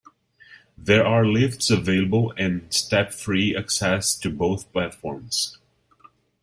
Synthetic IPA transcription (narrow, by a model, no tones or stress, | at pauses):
ðɛɹʔaːɹlɪftsəveɪləbəlˠɛ̃nsʈɛpfɹiɨksɛsʈɨboʊθplætfɔɹmz̥